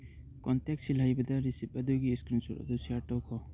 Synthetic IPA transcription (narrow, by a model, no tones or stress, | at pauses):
kɔntɛk̚silajbad̪aɾisip̚ad̪uɡiːskɾinsṵɾa̰d̪ɔsiaɾʈɔwkʰɔ